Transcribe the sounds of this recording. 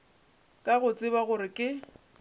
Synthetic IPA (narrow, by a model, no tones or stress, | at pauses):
kʼaɣʊt͡sʼɪbaɣʊɾɪkʼɪ